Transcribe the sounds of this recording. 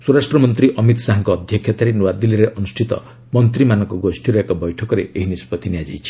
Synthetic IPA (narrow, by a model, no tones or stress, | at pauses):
swoɾasʈɾɔmɔnt̪ɾiʔɔmit̪saɦaŋkɔːd̪ʱjɔkʰjɔt̪aɾenuwad̪iliɾeʔɔnusʈʰit̪ɔ̰ | mɔnt̪ɾimanɔŋkɔɡosʈʰiɾɔekɔbɔjʈʰɔkɔɾḛeɦinispɔt̪injad͡ʒḭjt͡ʃʰi̥